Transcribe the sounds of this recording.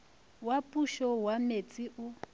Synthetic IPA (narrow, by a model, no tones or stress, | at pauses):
wapʼuʃɔwamet͡sʼiʔu